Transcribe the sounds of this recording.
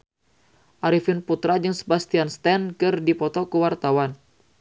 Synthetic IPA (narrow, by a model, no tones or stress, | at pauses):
ʔaɾifɪnput̪ɾad͡ʒɨŋsə̥bast̪ianst̪ɛnkɨrdipɔt̪ɔkuwart̪awan